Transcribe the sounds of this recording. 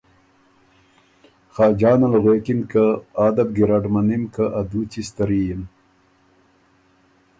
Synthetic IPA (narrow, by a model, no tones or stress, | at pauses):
xɑːd͡ʑɑːnɐlɣeːkinkaaːd̪ɐb̚ɡiɾaɖmanimkaʔad̪ut͡ɕist̪ɐɾijin